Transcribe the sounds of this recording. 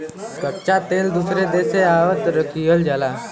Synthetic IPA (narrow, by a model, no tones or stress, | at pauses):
kəʈt͡ʃat̪eːld̪usɾed̪eːseaːʋət̪ɾəkijəld͡ʒalaː